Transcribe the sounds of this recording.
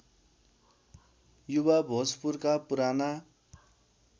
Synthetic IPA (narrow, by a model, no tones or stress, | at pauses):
jubabʱospurkapuɾana